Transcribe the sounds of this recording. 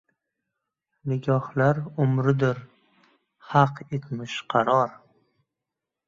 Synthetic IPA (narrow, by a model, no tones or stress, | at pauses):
nɪɡʲɒhlaɾʊmɾɪd̪ɪɾ | hɑqet̪ʰmɪʃqʰɑɾɒɾ